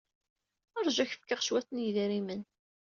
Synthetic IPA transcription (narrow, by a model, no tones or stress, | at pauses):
ɑɾˤʒæçəfkaʁʃwæθnjiðiɾimən